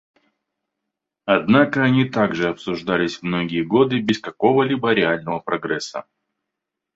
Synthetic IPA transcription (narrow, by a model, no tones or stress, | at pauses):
ɐd̪nakəɐnʲit̪aɡʐɨɐpsʊʐd̪alʲɪsʲvmno̞ɡʲɪjəɡo̞d̪ɨbʲɪskɐko̞vəlʲibəɾʲɪalʲnəvəpɾɐɡɾɛsːə̰